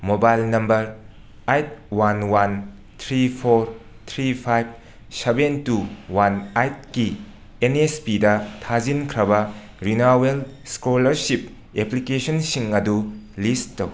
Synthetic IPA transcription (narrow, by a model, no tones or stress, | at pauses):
mobajlnɐmbɐɾ | ajt̚wanwan | t̪ʰɾipʰoɾ | t̪ʰɾipʰajb̚ | sebentuwanajt̚ki | enespidɐtʰazinkʰɾɐbɐ | ɾinawelskolɐɾsip | eplikesonsiŋɐdulisttːɐw